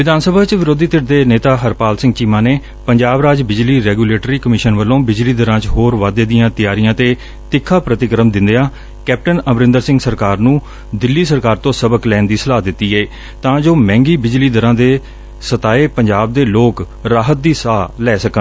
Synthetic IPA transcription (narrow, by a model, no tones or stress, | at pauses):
ʋɪd̪aːnsəbʱaːt͡ʃʋɪɾoːd̪iːt̪ɪʈ̚d̪eːneːt̪aːɦəɾpaːlsɪ̃ŋɡt͡ʃiːmãːneː | pəɲd͡ʒaːbɾaːd͡ʒbɪd͡ʒliːɾɛːɡuːleːʈɾiːkəmɪʃənʋəlːõːbɪd͡ʒliːd̪əɾãːt͡ʃɦoːɾʋaːd̪eːd̪ɪjãːt̪ɪjaːɾijãːt̪eː | t̪ɪkʰːaːpɾət̪ɪkəɾəmd̪ɪ̃nd̪eãː | kɛːp̚ʈənəmɾɪ̃nd̪əɾsɪ̃ŋɡsəɾkaːɾnũː | d̪ɪlːiːsəɾkaːɾt̪õːsəbəklɛːnd̪iːsəlaːd̪ɪt̪ːiːɛː | t̪ãːd͡ʒoːmɛ̃ːŋɡiːbɪd͡ʒliːd̪əɾãːd̪eː | sət̪aːeːpəɲd͡ʒaːb̚d̪eːloːk | ɾaːɦət̪̚d̪iːsaːlɛːsəkən